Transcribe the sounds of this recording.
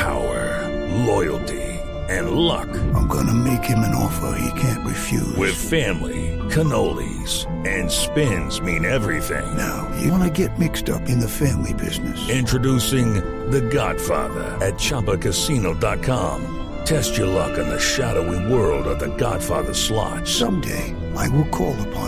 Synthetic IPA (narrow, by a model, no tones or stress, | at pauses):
pʰaʊə˞ | lɔɪl̩ˠtʰi | ɨ̃nlʌ̰kãɪ̃mɡʌnɨmeɪkhɨ̃mɨ̃nɔ̰fə̰˞ḭkʰæ̃nʔɹɨfjʉ̰wɪð̥fæ̃mlḭkʰɨnoʊlˠḭ | z̥ | ɨ̃nspɪ̃nzmĩnɛvɹiθɪ̰̃ŋnaʊjɨ̰ɑnɨɡɛt̚mɪkstʌpɨ̃nðɨfæ̃mlibɪznɨsɪ̃ntɹ̥ɨdusɪ̃ŋ | ðɨɡɑd̥fɑ̰ɹðə̰˞ɨt̚t͡ʃʰɑpəkʰɨsinoʊdɑt̚kʰɑ̃m | tʰɛst͡ʃə˞lʌ̰kɨ̃n̩ðɨʃæɾoʊiwɜ˞lˠdʌvðɨɡɑ̰d̥fɑ̰ɹðə̥˞slɑ̰t̚sʌ̃mdḛɪ | ʔaɪwɪlˠkʰɔlˠəpʰɑ̃